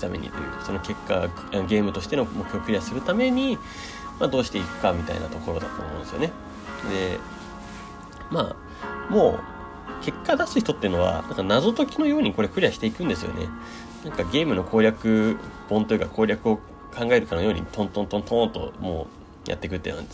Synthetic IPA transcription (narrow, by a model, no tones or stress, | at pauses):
t̪a̰mḛ̟ḭso̞no̞ke̞kːa | aɡe̞ːmɯ̟t̪oɕi̥t̪e̞nomo̞kʰɯ̟ço̞kɯ̟ɾʲijasɨɾɯ̟t̪ame̞ɲ̟i | mad̪oːɕi̥t̪e̞ikɯ̟̥kamʲit̪a̰ḭna̰t̪o̞ko̞ɾo̞d̪a̰t̪o̰mõ̞nd̪esɨjo̞ne̞ | d̪e̞̰ | ma | mo̞ː | kʰe̞kːad̪asɨ̥çi̥t̪o̞t̪ːeiɯ̟no̞βa̰nã̰ŋkanazo̞t̪o̞kʲino̞jo̞ːɲ̟iko̞ɾekɯ̟ɾiaɕi̥t̪e̞ikɯ̃nd̪e̞sɨjo̞̰ne̞̰ | nãŋkaɡʲe̞ːmɯ̟no̞kʰo̞ːɾʲakɯ̟b̥õ̞nt̪o̞jikakʰo̞ːɾʲakɯ̟o̞ | kʰãŋɡae̞ɾɯ̟kanojo̞ːɲ̟ḭt̪ʰõnt̪ont̪õ̞nt̪õ̞nt̪o̞̰moː | jʔa̰t̪ːe̞kɯ̟t̪ːḛn̰ã̰nd̪e